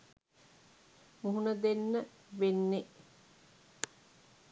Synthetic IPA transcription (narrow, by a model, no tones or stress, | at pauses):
muɦunəd̪enːə | ʋenːe